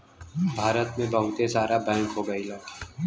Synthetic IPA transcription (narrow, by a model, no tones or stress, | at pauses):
bʱaːɾət̪mẽbɐɦʊt̪esaːɾabɛ̃ːŋkɦoːɡɐilaːkː